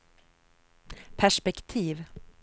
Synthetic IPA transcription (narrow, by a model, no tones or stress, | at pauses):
pʰæʂpɛkt̪ʰiːv